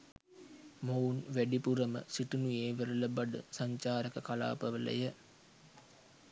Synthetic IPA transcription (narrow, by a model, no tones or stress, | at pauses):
mounʋæɖipuɾəmə̰siʈunujeːʋəɾələbaɖə̰saɲt͡ʃaːɾəkəkala̰ːpəʋələ̰jə